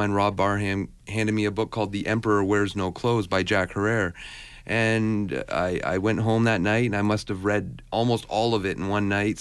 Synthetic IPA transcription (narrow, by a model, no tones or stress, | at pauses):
ɪ̃nɹɑbbɑɹɦæ̃m | hæ̃ndɨd̚miɨbʊkʰːɔlˠd̪̚ðiʔɛ̃mpə˞əwɛ˞znoʊkʰl̥oʊzbaɪd͡ʒækhə˞ɛɹ | ʔɨ̃na̰ɪʔa̰ɪwɛ̃nʔɦõʊ̃mðɨtⁿnaɪtɨ̃naɪmʌst̚ɨvɹɛdʔɔlˠmoʊstɔlˠʌvɨɾn̩wʌ̃nːaɪt̚